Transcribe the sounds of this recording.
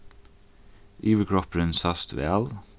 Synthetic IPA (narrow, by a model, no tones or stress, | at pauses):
ʔiːʋəkʰɹɔpɾənsɑst̪ʰʋḛːɑl